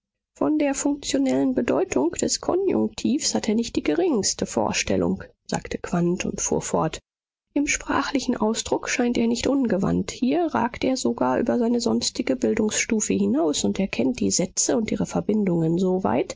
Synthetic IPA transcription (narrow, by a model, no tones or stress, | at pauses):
fɔndeːɐfʊŋk̚t͡sjonɛlənbədɔ̰ʏtʰʊŋkd̥ɛskʰɔ̰njʊ̰ŋk̚tʰiːfshatʰeːɐnɪçt̚d̥iːɡəʁɪŋstəfo̰ːɐʃtɛ̰lʊ̰ŋz̥a̰ːktʰəkv̥antʰʊ̰ntfṵːɐfɔɐt | ʔɪmʃpʁ̥a̰ːχlɪçn̩ʔaʊsd̥ʁʊkʃaɪnteːɐnɪçtʔʊnɡəva̰nthiːɐʁa̰ːktʔeːɐzoɡaːɐʔyːbɐzaɪnəzɔnstɪɡəbɪldʊŋsʃtuːfəhɪnaʊsʊnteːɐkʰɛnt̚d̥ḭːzɛt͡səʊntʔiːʁəfɛɐbɪndʊŋənzova̰ɪt